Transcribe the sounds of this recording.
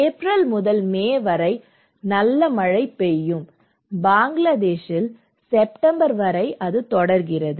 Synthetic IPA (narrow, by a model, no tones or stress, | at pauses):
ɛpɾɐlmʊðɐlmeːʋɐɾɐɪ | nɐlːɐmɐɻɐɪpːɛjːɯm | baːŋɡlɐðeːʂɪl | sɛpʈɐmbɐɾʋɐɾɐɪʔɐðɯt̪ɔɽɐɾɣɪrɐðɯ